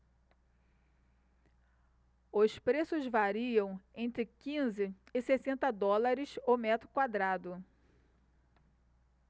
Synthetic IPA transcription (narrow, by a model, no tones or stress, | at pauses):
ʊspɾesʊzvaɾiɐ̃w̃ẽnt̪ɾɪkĩzɪɪsesẽnt̪ɐd̪ɔlaɾɪsomɛt̪ɾʊkwad̪ɾad̪ʊ